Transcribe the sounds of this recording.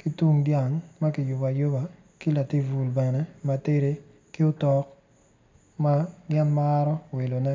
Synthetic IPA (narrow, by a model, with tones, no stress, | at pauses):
ki˦tu˦ŋdja˨ŋma˦kɪ˨jʊ˨ba˨jo˦ba˨ | ki˦la˨ti˦vu˨lbɛ˨nɛ˦ma˨te˦ɾe˦ | ki˦ʊ˦tɔ˦k̚ | ma˦ɡɛ˦nmaː˦ɾɔ˦we˨lo˨nɛ˦